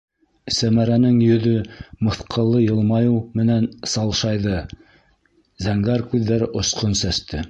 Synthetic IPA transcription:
sæmæɾænɘŋjɵ̆ðɵmɤ̆θqʰɤ̆lˠːɤjɤ̆lˠmɑjɤwmɘ̆nænsɑlˠʃɑjðɤ | zæŋɡæɾkʉðːæɾɘʔŏsqonsæst̪ɘ

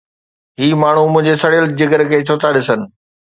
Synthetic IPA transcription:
ɦiːmaːɳ̤umʊ̃ɦɪ̃ɲd͡ʑesɐɽijəld͡ʑɪɡəɾkʰeːt͡ɕʰoːt̪aɗɪsənɪ̆

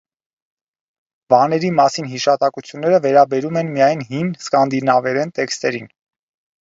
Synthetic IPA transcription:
vɑnɛɾimɑsinɦiʃɑt̪ɑkut͡sʰjunːɛɾəvɛɾɑbɛɾumɛnmijɑjnɦimskɑnd̪inɑvɛɾɛnt̪ɛkst̪ɛɾin

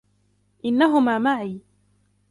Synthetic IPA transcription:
ʔɪnːaɦʊmaːmaʕiː

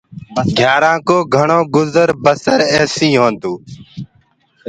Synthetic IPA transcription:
ɡʱjaːɾãːkoːɡʱəɳoːɡʊzəɾbəsəɾɛːsiːɦõːnd̪uː

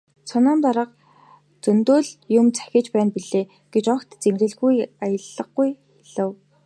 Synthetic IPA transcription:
t͡sʰɔnɔːmt̪aɾə̆q | t͡sɵnt̪oːɮjʊmt͡sʰæ̥xʲɪ̆t͡ɕpæːnpiɮeː | ɡ̥et͡ɕɔkt̪t͡semɮɘ̆ɮɣujajə̆ɮːə̆ɡɡujxeɮɘ̆w

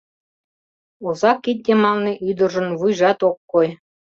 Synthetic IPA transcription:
uzɑkːit̪̚ʲd̪ʲemɑlneʔyd̪ə̆ʒə̆nβujʒɑt̪okːoj

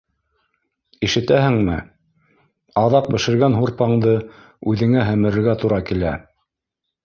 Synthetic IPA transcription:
iʃɘ̆t̪æhɘ̆ŋmɘ̰ | ɑðɑq̚bɘ̆ʃɘ̆ɾɡænɦuɾpɑɴd̪ɤ | ʉðɘ̆ŋæɦæmɘ̆ɾɘ̆ɾɡæt̪uɾɑkilæ

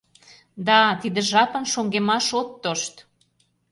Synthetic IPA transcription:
d̪ɑt̪id̪ə̆ʒɑpə̆nʃoŋɡemɑʃot̪ːoʃt̪

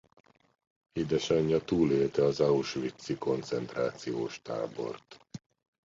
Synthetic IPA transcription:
hid̪ɛʃɒɲːɒt̪uːleːlt̪ɛɒzɒuʃʋit̪sːiko̞nt̪sɛnt̪raːt̪sijoːʃt̪a̰ːbo̞̰rt̪

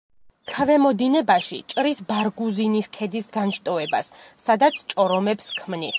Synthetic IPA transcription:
kʰavɛmɔd̪inɛbaʃḭt͡ʃʼɾisbaɾɡuziniskʰɛd̪isɡanʃt̪ʼɔɛba̰sːad̪at̪sʰt͡ʃʼɔɾɔmɛpskʰmnis

